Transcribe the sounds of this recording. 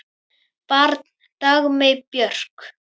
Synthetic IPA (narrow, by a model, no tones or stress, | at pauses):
paɾt̪ | t̪aɣmepjœr̥k